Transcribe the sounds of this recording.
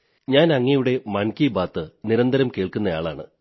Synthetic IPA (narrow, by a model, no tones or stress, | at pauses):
ɲaːnɐŋːɐjuɽe̞mɐɳkibaːt̪ːɨniɾɐnd̪ɐɾɐmke̞ːɭkunːɐja̰ːɭa̰ːɳɨ̰